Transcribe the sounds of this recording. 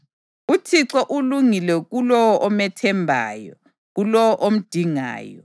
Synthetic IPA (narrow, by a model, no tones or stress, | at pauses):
utʰiǀɔʔuluŋilɛɣulɔwɔʔɔmɛtʰɛmbʱa̰ːjɔ | ɣulɔwɔʔom̩d̥ʱiŋa̰ːjɔ̰